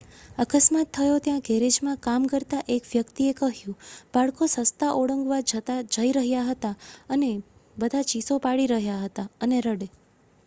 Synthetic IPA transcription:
əkəsmat̪ʰːəjot̪jãɡɛɾed͡ʒmãkamkəɾt̪aʔekʋjəkt̪iekəɦjũb̥aɭkosəst̪aʔoɽəŋɡʋad͡ʒət̪ad͡ʒəiɾəɦjaɦət̪aənebəd̪ʱat͡ʃisopaɭiɾəɦjaɦət̪aəneɾəɽe

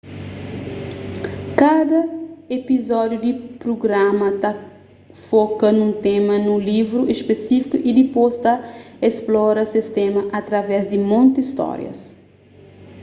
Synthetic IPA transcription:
kad̪ɐepizɔd̪jud̪ipɾoɡɾamɐt̪a | fɔkɐnũnt̪ẽmɐnulivɾuʔespesifikuʔid̪ipost̪aesplɔɾɐsist̪ɛmɐʔɐt̪ɾɐvɛzd̪imõnt̪iist̪ɔ̰ɾj̰ɐ̰s

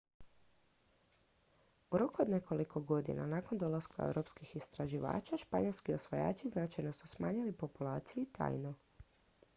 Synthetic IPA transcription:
uɾo̞kuod̪ne̞ko̞liko̞ɡo̞d̪ḭna̰naːko̞nd̪o̞laska̰ḛwɾo̞pskixist̪ɾaʒiʋa̰ːt͡ʃaʃpaɲo̞lskio̞sʋoja̰ːt͡ʃiznat͡ʃajno̞susmaːɲilipo̞pulaːt̪sijuit̪a̰ːjno

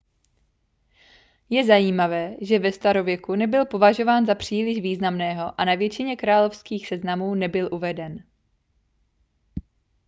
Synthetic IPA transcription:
jɛzajiːmavɛːʒɛvɛst̪aɾo̞vjɛkunɛbɪlpo̞vaʒo̞vaːnzapr̝̥iːlɪʒviːznamnɛːɦo̞ʔanavjɛt͡ʃɪɲɛkɾaːlo̞fskiːxsɛznamuːnɛbɪlʔuvɛdɛn

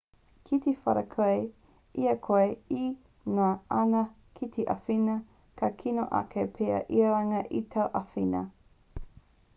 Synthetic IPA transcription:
kʰit̪efɐ̰ɾɐkʰɐe | iɐkʰoei | naʔɐnɐ | kʰit̪ʰeʔɐfinɐ | kʰɐkʰino̰ʔɐ̰kʰepʰeɐ̰ʔiɐɾaŋɐʔitʰɐwʔɐfinɐ̰

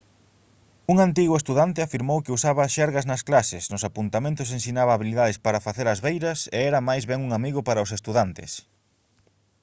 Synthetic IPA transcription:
uŋant̪̬iɣʊest̪uðant̪ɪafiɾmowkeusaβɐʃɛɾɣɐznɐsklasɪsnʊsapunt̪amẽnt̪ʊsensinaβɐːβiliðaðespaɾɐfaθeɾɐzβejɾɐseɛɾɐmajzβɛŋuŋamiɣʊpaɾɐos̬est̪uðant̪ɪ̰s

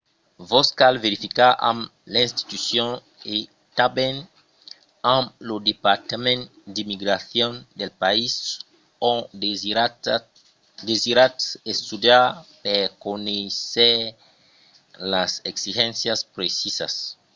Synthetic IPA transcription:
voskalveɾifikaã̰mlẽnst̪i̥t̪ysjõ | e | t̪abẽn | ãmlod̪epaɾt̪amẽn | d̪imiɡɾaθjɔ̃nd̪elpais | õ | d̪eziɾat̪est̪ud̪japekonese | laseksiʒɛ̃nsjaspɾesisa̰s

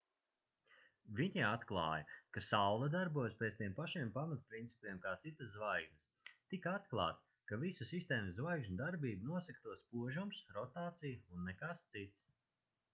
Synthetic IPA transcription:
viɲiat̪klˠa̰ːjɐkasawlˠad̪aɾbuɔjspʲeːt̪st̪iɛmpaʃiɛmpamat̪̚pɾint̪si̥pʲiɛmkaːt̪sit̪aszvajɡznɨs | t̪ikaat̪klˠa̰ːt̪s | kavisusist̪eːmzzvajɡʒɲud̪aɾbiːbunuɔsɛkt̪uɔspuɔʒumsɾɔt̪aːt̪sijuunːɛkast̪sit̪s

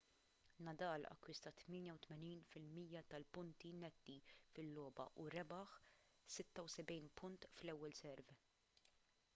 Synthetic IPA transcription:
nɐd̪ɐːlɐ̰kːwɪst̪ɐt̪mɪːnjɐwt̪mɛniːnfɪlmiːjɐt̪ɐlpʊnt̪inɛd̪ːifɪlːɔːbɐ̰ʔuɾɛbɐħ | sɪt̪ːɐwsɛbɛjnpʰʊnt̪flɛwːɛlsɛɾv

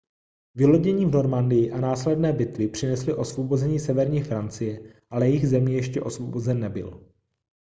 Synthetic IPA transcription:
vɪlo̞ɟɛɲiːvno̞ɾmandɪjɪʔanaːslɛdnɛːbɪt̪vɪpr̝̥ɪnɛslɪʔo̞svo̞bo̞zɛɲiːsɛvɛɾɲiːfɾant͡sɪjɛʔalɛjɛɪɣzɛmijɛʃcɛʔo̞svobo̞zɛnːɛbɪ̰l

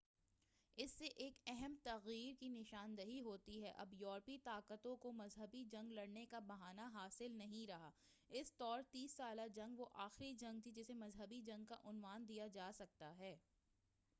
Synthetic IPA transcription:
ɪsːeʔeːkɛɦɛmt̪ɐɣiːɾkinɪʃaːnd̪ɐɦiɦoːt̪iɦɛʔɐ̰bjɔːɾpit̪aːkət̪õkomɐzɦəbid͡ʒɐ̃ŋɡlɐɽnekabɐɦaːnaɦaːsɪlnɐɦĩɾɐɦaː | ɪst̪ɔːɾt̪iːsːaːlad͡ʒɐ̃ŋɡʋoʔaːxɾid͡ʒɐ̃ŋɡ̚t̪id͡ʒɪsemɐzɦəbid͡ʒɐ̃ŋɡ̚ka̰ʔʊnʋaːnd̪ijad͡ʒaːsɐk̚t̪aɦɛː

